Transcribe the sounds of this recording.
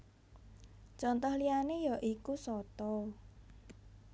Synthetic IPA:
t͡ʃɔnt̪ɔhlianejaʔikusɔt̪ɔ

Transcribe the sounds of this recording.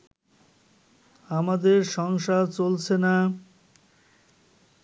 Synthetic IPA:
amad̪eɾʃɔŋʃat͡ɕolt͡ɕʰena

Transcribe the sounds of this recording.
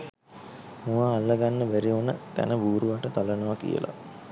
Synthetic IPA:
mũʋaːlːəɡanːəbæɾionət̪æ̰nəbuːɾuʋaʈət̪alənəʋakḭjə̰lʔa̰

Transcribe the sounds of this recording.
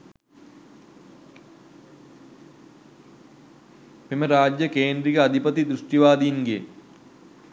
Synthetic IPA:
meməɾaːd͡ʒjəkeːnd̪ɾiɡəad̪ʱipət̪id̪ɾuʂʈjiʋaːd̪ijŋɡḛ

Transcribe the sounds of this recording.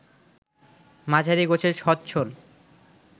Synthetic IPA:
mad͡ʑʱaɾiɡot͡ɕʰeɾʃɔt̪̚t͡ɕʰol

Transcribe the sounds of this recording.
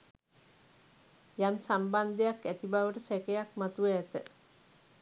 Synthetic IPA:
jamsamband̪ejakːæt̪ibaʋəʈəsɛkejakmat̪ueːt̪ə

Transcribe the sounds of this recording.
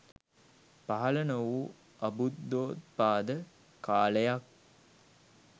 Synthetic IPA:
paɦɐlənəʋu | ɐbut̪ːoːt̪̚paːd̪ə | kaːləjak̚

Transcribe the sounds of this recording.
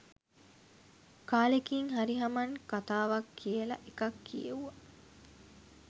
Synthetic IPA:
kaːlekiŋɦɐɾiɦɐmɐŋkat̪aːʋɐkʰːielɐ̰ʔekɐkːijḛuɐ

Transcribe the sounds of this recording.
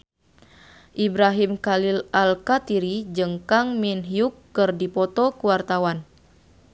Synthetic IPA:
ʔibɾaɦimkalilalkat̪iɾid͡ʒəŋkaŋminɦiukːɨrdipɔt̪ɔkuwart̪awan

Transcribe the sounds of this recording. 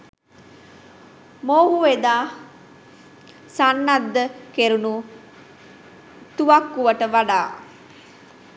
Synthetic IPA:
moːɦuʋed̪aː | sanːad̪ːəkeɾunu | t̪uʋakːuʋəʈəʋaɖaː

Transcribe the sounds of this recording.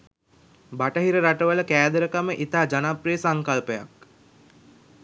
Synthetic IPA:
baʈəɦiɾəɾaʈəʋələkæːd̪əɾəkaməʔit̪aːd͡ʒanaprijəsaŋkalpəja̰k̚

